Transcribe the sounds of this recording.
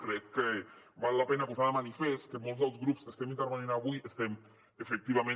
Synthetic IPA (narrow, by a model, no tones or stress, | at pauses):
kɾet̪kebalːapenakuzaðamanifest̪̚kemolzðelzɣɾupskest̪emint̪eɾβenĩnaβuiest̪em | efek̚t̪iβamẽ